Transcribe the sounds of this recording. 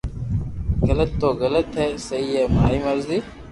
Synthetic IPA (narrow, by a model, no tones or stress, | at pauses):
ɣələt̪ːoːɣələt̪ɦeːsɐiːeːmaːiːmɐɾziː